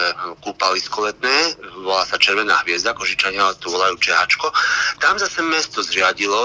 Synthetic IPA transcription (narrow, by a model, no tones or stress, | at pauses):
ɛkuːpaliskɔlɛt̪nɛːʋɔlasat͡ʃɛɾʋɛna̰ːɦʋɪɛzd̪akɔʒit͡ʃaɲɪaalɛt̪ɔʋɔlajuːt͡ʃɛɦat͡ʃkɔt̪amzasɛmɛst̪ɔzɾɪaɟilɔ